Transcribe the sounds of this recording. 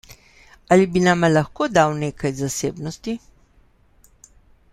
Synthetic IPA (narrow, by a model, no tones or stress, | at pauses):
alibinamalaxkoːd̪awneːkʰajzaseːbnɔst̪i